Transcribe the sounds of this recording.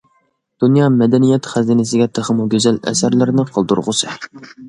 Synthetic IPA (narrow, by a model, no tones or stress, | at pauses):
d̪̥unjɑmɛd̪ɛnijɛt̪χæzinɪs̬ɪɡʲɛt̪ʰɪχəmuɡʲøzɛlɛ̰sæɾlɪɾnɪqʰəlˠd̪ṵɾʁʊsɨ